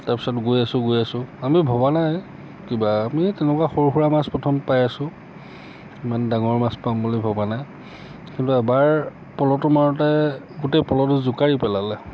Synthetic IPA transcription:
taɹpi̥sɔtɡojasʊ̃ɡojasʊ̃amibʱɔbanaj | kibaːmitɛnɛkwaxoɹxuɹamaspɔtʰɔmpajasʊ̃ | imandaŋɔɹmaspambulobʱɔbanaj | kintuɛbaɹ | pɔlɔtʊmaɹɔtɛ | ɡutejpɔlɔtʊzʊkaɹipɛlalɛ

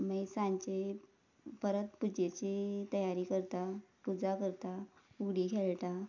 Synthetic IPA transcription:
misãɲt͡ɕe | pəɾət̪pud͡ʑet͡ɕit̪əjaɾiːkəɾt̪apud͡zakəɾt̪auɡɽikʰeɭt̪a

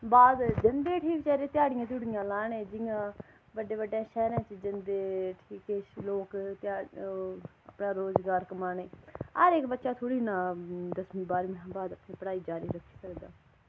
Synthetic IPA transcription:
baːd̪d͡ʒənd̪eːʈʰiːkt͡ʃɛːɾeːt̪ɪjaːɽɪjãːt̪̬ʊɽɪjãːlaːɳẽːd͡ʒɪjãː | bəɖeːbəɖãːʃɛːɾãːt͡ʃəd͡ʒənd̪eːʈʰiːkeːloːkt̪aː | ə̰pnãːɾoːzɡaːɾkəmaːneːəɾeːkbətːʃaːt̪ʰoːɽiːnaːd̪əsmĩːbaːɾmãːbaːd̪əpnĩːpəɽaːiːd͡ʒaːɾiːɾəkʰːi̥ːsəkd̪a̰ː

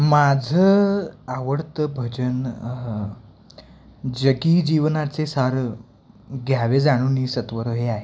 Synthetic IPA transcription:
mad͡zʱəaʋəɽt̪əbʱəd͡ʑən | d͡ʑəɡiːd͡ʑiʋnat͡sesaɾ | ɡʱjaʋed͡zaɽ̃uːnisət̪ʋəɾəɦeaɦe

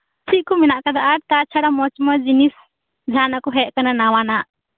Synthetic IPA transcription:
t͡ʃʰiʔ̚kɔmɛnaʔkad̪aʔaɾt̪at͡ʃʰaɽamɔt͡ʃmad͡ʒinis | d͡ʒʱanakɔɦɛʔ̚kananawanaʔ

